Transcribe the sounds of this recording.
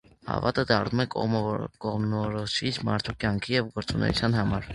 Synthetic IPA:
hɑ̰vɑt̪əd̪ɑrnumɛkɔʁmnɔɾɔʃit͡sʰmɑɾt̪ʰukjɑŋkʰijɛvɡɔɾt͡sunɛ̰jṵt͡sʰjɑnɦɑmɑɾ

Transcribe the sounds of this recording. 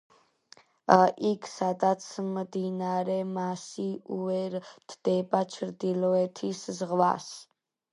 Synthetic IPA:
ʔikʰsad̪at̪sʰmd̪inaɾɛmasiuɛɾt̪ʰd̪̥ɛbat͡ʃʰɾd̪ilɔɛt̪ʰiszʁva̰s

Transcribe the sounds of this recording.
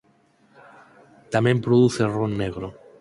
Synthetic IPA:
t̪amẽmpɾoðuθeronːeɣɾo

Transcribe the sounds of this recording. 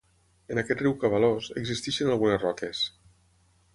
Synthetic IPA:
ənakɛt̪riwkaβaloseɡzist̪iʃənalˠɣunezrɔkes

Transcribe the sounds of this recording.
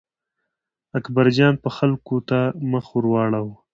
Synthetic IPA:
akbaɾd͡ʒɑːnpəxalkot̪amaxuɾwɑːɽawu

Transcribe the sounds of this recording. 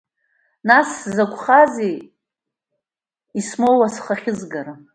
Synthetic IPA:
naszakʷʰʼχaze | ismowasχaχʲɪzɡaɾa

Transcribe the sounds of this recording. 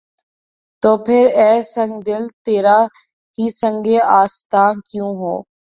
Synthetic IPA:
t̪oːpʰɪɾɛːsə̃ŋɡd̪ɪlt̪eːɾaː | ɦiːsə̃ŋɡeːaːst̪aːnkjũːɦo̰ː

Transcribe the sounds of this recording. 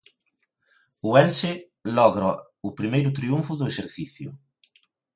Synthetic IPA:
uɛlse | lɔɣɾɐ | ʊpɾimejɾʊt̪ɾiuɱfʊðʊeseɾθiθjʊ̰

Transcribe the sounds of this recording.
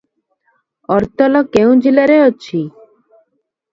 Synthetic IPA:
ɔɾt̪ɔlɔkeũd͡ʒilaɾeot͡ʃʰi

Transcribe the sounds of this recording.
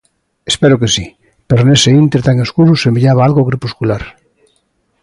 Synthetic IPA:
espeɾokesi | peɾoneseint̪eɾt̪aŋeskuɾusembiʎaβaalɣoɣɾepuskulaɾ

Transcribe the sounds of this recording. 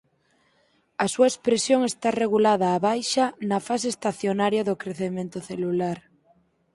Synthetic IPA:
asuaespɾesjoŋest̪areɣ̞ulaðaːβajʃanɐfaseːst̪aθjonaɾjaðokɾeθemẽnt̪oθelulaɾ

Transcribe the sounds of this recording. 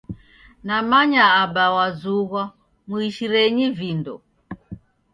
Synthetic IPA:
namaɲaːɓawazuɣwa | muiʃiɾɛɲivindɔ

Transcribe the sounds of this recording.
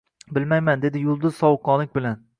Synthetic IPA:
bɪlmajmand̪e̞d̪ɪjʊlˠd̪ʊz̥sɒwʊqːɒnlɪk̚ʲbɪlan

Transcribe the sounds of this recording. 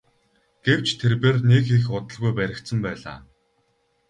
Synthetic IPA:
ɡ̥ew̥t͡ɕʰt̪ʰerpeːrnekixʊt̪ə̆ɮɣujpæɾʲɪ̆kt̪sɘ̆mpæːɮa̰ː

